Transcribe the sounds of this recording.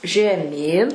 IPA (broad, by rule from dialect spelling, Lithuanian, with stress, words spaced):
ʒʲɛˈmʲiːn